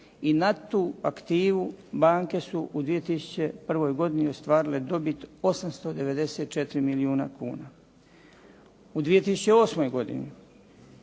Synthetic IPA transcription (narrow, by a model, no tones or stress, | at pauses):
inat̪uːakt̪iːʋubaːŋke̞suʔud̪ʋijet̪isu̥t͡ɕe̞pr̩ʋo̞jɡo̞d̪iniost̪ʋaːɾile̞d̪o̞bit̪o̞samst̪o̞d̪e̞ʋe̞d̪e̞seːt̪̚t͡ʃet̪ɾimiliuːna̰kuːna | ud̪ʋije̞t̪isu̥t͡ɕe̞o̞ːsmo̞jɡo̞d̪ḭni